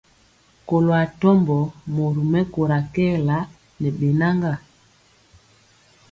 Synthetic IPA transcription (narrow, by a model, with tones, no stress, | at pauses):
ko˨lo˨a˨tɔ˦mbɔ˨mo˨ɾu˨mɛ˦ko˨ɾa˨kɛ˦˨la˦ | nɛ˨ɓe˨na˦ŋɡa˦˨